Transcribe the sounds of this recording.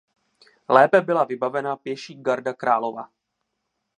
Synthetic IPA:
lɛːpɛbɪlavɪbavɛnapjɛʃiːɡaɾdakɾaːlo̞va̰

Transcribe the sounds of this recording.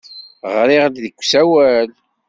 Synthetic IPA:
ʁɾɪʁd̪ðəkʷːsæwæl

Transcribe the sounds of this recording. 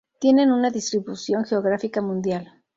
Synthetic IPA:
t̪je̞ne̞nunaðist̪ɾiβusjo̞ŋxeo̞ɣɾafikamũnd̪jal

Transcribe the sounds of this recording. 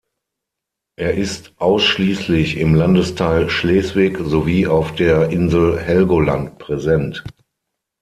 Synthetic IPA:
ʔeːɐʔɪstʔaʊsʃliːslɪçɪmlandəstʰaɪlʃlɛːsv̥ɪkzoviːaʊfd̥eːɐʔɪnzl̩hɛlɡola̰nt̚pʁ̥ɛzɛnt

